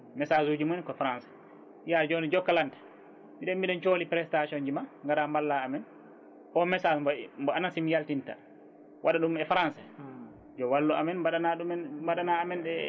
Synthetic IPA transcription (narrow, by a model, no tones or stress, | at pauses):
mɛsazud͡ʒimunkɔfɾansɛ̥ | jad͡ʒonid͡ʒɔkːalantḁ | miɗɛmiɗɛnt͡ʃolipɾɛstasɔnd͡ʒimaŋɡaɾambalːaːmɛn | ʔɔmɛsambɔmbɔanasimijaltinta̰ | wʔaɗaɗumɛfɾansɛ | d͡ʒɔwalːua̰mɛnbaɗanaɗumɛnbaɗanaːmɛnɗɛ